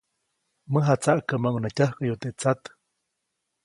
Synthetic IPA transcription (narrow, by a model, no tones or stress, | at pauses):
məɦat͡saʔkəmaŋunacahkajut̪eʔt͡sat̪